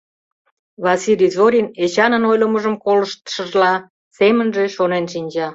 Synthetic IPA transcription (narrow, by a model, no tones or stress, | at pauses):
βɑsilʲizoɾʲinet͡ɕɑnənojləməʒəmkoləʃt̪ə̥ʃəʒlɑ | semənʒeʃonenʃinʲd͡ʑɑ